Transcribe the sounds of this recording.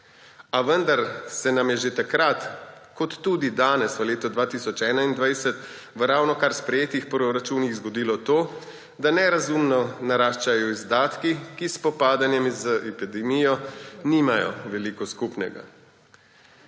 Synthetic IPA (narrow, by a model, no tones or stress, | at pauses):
aʋənd̪aɾsɛnamjɛʒet̪akɾat̪kɔt̪ːud̪id̪aːnɛsʋəleːt̪ɔd̪ʋaːt̪iːsɔt͡ʃɛːnaind̪ʋajsɛt̪ | ʋəɾawnɔkaɾspɾɛjeːt̪ixpɾɔɾat͡ʃuːniɣzɡɔd̪iːlɔt̪oː | d̪anɛɾazumnɔnaɾaːʃt͡ʃajɔizd̪aːt̪kikispɔpaːd̪anjɛmzəʔɛpid̪ɛmijɔnimajɔ̰ʋɛlikɔskupnɛ̰ɡa̰